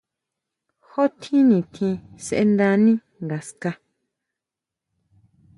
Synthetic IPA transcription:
ho˦t̪ʰĩ˦nĩ˨t̪ʰĩ˧se˧ʔe˧nd̪ã˧nĩ˦ | ŋɡa˨ska˧

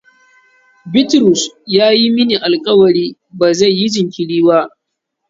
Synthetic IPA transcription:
bɪ˦tɾʊ˨sjaː˦ji˦mɪ˦niː˨ʔa˨lkʼɐ˦wɐ˨ɾiː˦ | ba˨za˦˨jːi˦d͡ʒɪ˨ŋkʲɪ˨ɽiː˦wa˦

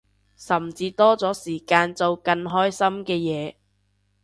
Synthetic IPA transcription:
sɐ˨mt͡siː˧t̪ɔː˥t͡sɔː˨˥siː˨˩kaː˧nt͡so˨wkɐ˧nɦɔː˥jsɐ˥mkɛː˧jɛː˨˧˦

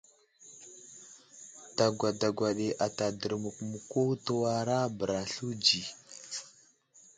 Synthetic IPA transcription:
ta˨ɡʷa˨da˨ɡʷa˨ɗe˨ʔa˨ta˨də˨ɾmu˨kmu˨ko˦tu˦wa˦ɾa˦bə˨ɾa˨ɬu˦d͡ʒi˨

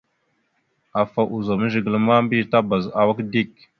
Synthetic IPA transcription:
a˨fa˨ʔu˨za˨mə˦ʒə˨ɡə˨lə˦ma˦mbi˦˨ta˦ba˨za˨wa˦kdi˦˨k̚

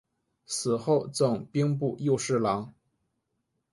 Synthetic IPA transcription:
sɹ̩˨˩xo˥˧ʊt͡sɤ˥˩ŋpi˥ŋp̬u˥˧˩jo˥˧ʊʂɻ̩˥˩lɑ˧˥ŋ

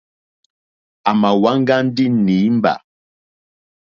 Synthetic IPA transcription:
a˨ma˨wa˦ŋ˦ɡa˦n̩˦di˦ni˨˦m˦ba̰˨

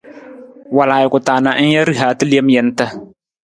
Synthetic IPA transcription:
wa˨laː˨jɪ˨kʊ˨taː˨na˨˦n̩˦ja˦ɾi˦ɦaː˨˦tɨ˦li˦ɛ˦m˦jɛ˦n˦tə˦

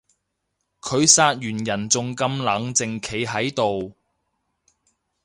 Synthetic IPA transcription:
kʰɵ˨˧ɥsaː˧t̚jyː˨˩njɐ˨˩nt͡sʊ˨ŋkɐ˧mlɐ˨˥ŋt͡sɪ˨ŋkʰe˨˧jɦɐ˨˥jt̪o˨w

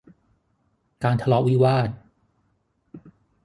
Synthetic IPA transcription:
kaː˧nt̪ʰa˧lɔː˦˥wiː˦˥˩waː˥˩t̪̚

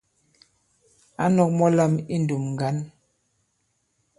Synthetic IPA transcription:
a˦nɔ˨k̚mɔ˦la˦˨mi˦n˨du˨mŋ˨ɡa˨˦n

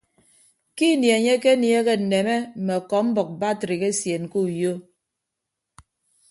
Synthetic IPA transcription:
ki˦˨nje˨ɲe˦ke˦nje˦ɣe˦n̩˨ne˨me˦m̩˨me˨kɔ˨˦m̩˦bɔ˨k̚ba˦tɾi˨ɣe˦sje˨n˨ku˦˨jo˦

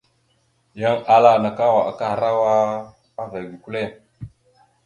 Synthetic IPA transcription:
ja˦ŋa˨la˦˨na˨ka˦wa˨ʔa˨ka˦˨ɾa˦wa˦ | a˦va˨ɡi˨ku˦le˦

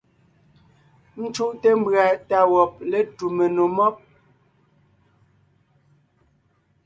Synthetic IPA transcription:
n̩˦t͡ʃu˦ʔte˦m̩˦bɰa˨ta˨wɔ˨p̚le˦tu˨me˨no˨mɔ˦p̚

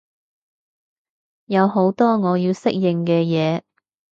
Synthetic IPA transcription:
jɐ˨˧who˨˥wt̪ɔː˥ŋɔː˨˧jiː˧wsɪ˥k̚jɪ˨ŋkɛː˧jɛː˨˧

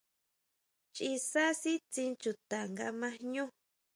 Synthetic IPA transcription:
t͡ʃi˧sa˦si˦t͡sĩ˧t͡ʃu˧t̪a˨ŋɡa˧mã˧ɲũ˦

